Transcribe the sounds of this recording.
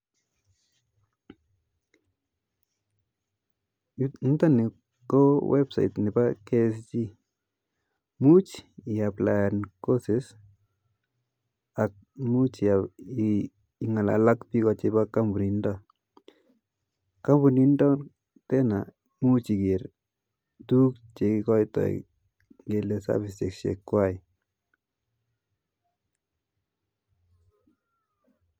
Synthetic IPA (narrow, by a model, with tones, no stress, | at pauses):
n̩˦ta˦nɪ˨ | ko˦wɛ˦bsa̰˨jt̪nɪ˨ba˦ke˦st͡ʃi˦ | mu˦t͡ʃɪja˨pla˨ja˨nko˦sɪ˨s | a˨k̚mu˦t͡ʃa | ŋa˨la̰lakpikɔt͡ʃebaka˦mbunindɔ | ka˦mbunindɔ˦ | tɛna | mut͡ʃi˨kɪɾ | tu˦k̚t͡ʃekikɔ˦jtɔ̰ | ŋɡe˨lesa̰bɪse˨ksḛkːwaj